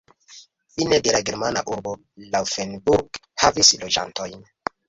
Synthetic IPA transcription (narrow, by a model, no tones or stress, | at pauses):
finedelaɡeɾmana̰ʔuɾbo̞ | lawfenbuɾɡhavislo̞d͡ʒa̰nto̞jn